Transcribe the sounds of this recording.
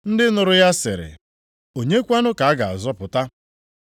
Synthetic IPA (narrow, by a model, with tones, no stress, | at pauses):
n̩˦dɪ˦nʊ˨ɾʊ˦ja˦sɪ̰˨ɾɪ̰˨ | o˨ɲe˦kʷa˦nʊ˦ka˨a˦ɡa˨a˨zɔ˦pʊ˨ta˦